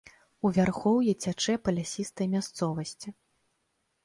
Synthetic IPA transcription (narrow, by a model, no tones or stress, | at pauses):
uvʲarxɔwjɛt͡sʲat͡ʂɛpɐlʲasʲist̪ɐjmʲast̪sɔvɐsʲt͡sʲi